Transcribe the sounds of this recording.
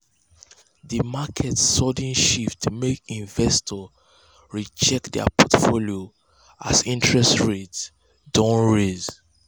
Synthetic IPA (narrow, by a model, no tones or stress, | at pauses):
ðəmakʰɛtsɔdĩnʃiftmekĩɱvɛstʰɔ | ɹit͡ʃɛkdɛ̰pʰɔtfolio | a̰sĩntʰɹɛstɹets | dɔ̃nɹez